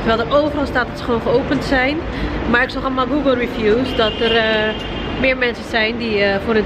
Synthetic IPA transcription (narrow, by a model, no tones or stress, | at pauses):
təɹʋɛlˠdərʔowvərɑlˠstaːt̚dɔtsə̥χəʋoːnχəoːpəntsɛjn | maːɹɪksɔxɔlˠmaːlˠɡuːɡəlˠrifjuːsdɔtər | mɪːɹmɛnsənzɛjndifʊːɾə